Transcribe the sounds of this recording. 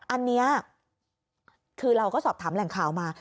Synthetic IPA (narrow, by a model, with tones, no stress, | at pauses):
ʔa˧nːi˦˥ɐ | kʰɯː˧ɾa˧wkɔː˥˩sɔː˨˩p̚t̪ʰaː˩˦mlɛ˨˩˦ŋkʰaː˨˩˦wmaː˧